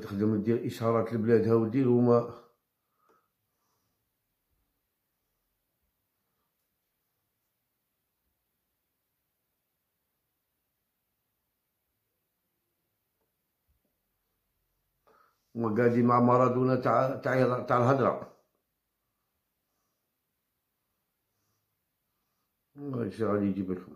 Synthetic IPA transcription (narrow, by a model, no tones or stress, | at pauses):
t̪əxd̪əmd̪iɾʔəʃɑɾˤɑt̪əlblæd̪hæwəd̪ilmæ | maɡadimamɑɾˤɑd̪unatat̪at̪alɦad̪ɾa̰ | asiɣadid͡ʒibaɬu